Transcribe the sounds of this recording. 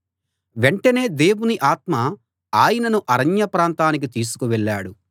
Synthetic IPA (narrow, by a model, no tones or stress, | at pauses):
ʋeɳʈɐne̞ːd̪e̞ːwuniʔaːt̪mɐ | aːjɐnɐnuʔɐɾɐɲjɐpɾaːnt̪aːnik̬it̪iːs̬u̥kuʋɛɭːaːɽu